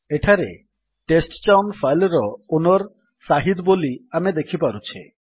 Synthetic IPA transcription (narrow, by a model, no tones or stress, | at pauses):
eʈʰaɾe | ʈesʈt͡ʃawnfʰajlɔɾɔonoɾ | saɦid̪boliamed̪ekʰipaɾut͡ʃʰe